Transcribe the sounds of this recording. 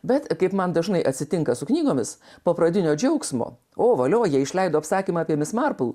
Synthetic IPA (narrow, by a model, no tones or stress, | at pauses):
bʲɛt̪kɐɪpmɐnd̪ɐʒnɐɪʔɐt̪ʲsʲɪt̪ʲɪŋkɐsʊknʲiːɡoːmʲɪs | poːpɾɐd̪ʲɪnʲoːd͡ʒʲɛʊksmo̰ː | oːʋɐlʲoːjiɛɪʃʲlʲɛɪd̪oːɐpsɑːkʲiːmɑɑːpʲiɛmʲɪsmɑɾpʊlˠ